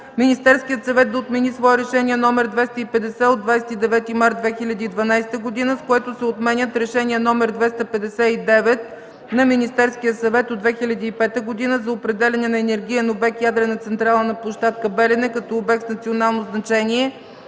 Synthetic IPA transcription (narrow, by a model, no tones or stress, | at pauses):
minist̪ɛɾskijət̪sɐvɛt̪̚d̪ɐot̪mɛnisvɔɛɾɛʃɛniɛnɔmɛɾd̪vɛst̪əipɛd̪ɛsɛod̪vajsɛ̥t̪id̪ɛvɛt̪imaɾt̪d̪̚vɛxilʲɐd̪iːd̪vɐnajsɛ̥t̪əɡod̪inəskoɛt̪osɛot̪mɛnʲət̪ɾɛʃɛniɛnɔmɛɾd̪vɛst̪əpɛd̪ɛsɛid̪ɛvɛt̪ | nɐminist̪ɛɾskijəsɐvɛt̪od̪vɛxilʲɐd̪iːpɛt̪əɡod̪inəzɐopɾɛd̪ɛlʲɛnɛnɐɛnɛɾɡʲiɛnobɛkjad̪ɾɛnɐt̪sɛnt̪ɾalˠənɐplˠoʃt̪at̪kəbɛlɛnɛkɐt̪ɔːbɛk̚t̪nɐt̪sionalˠnoznɐt͡ʃɛniɛ